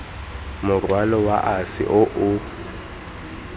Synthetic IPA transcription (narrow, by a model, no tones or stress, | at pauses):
mʊrwalɔwaʔasɪ̰ʔʊʔʊ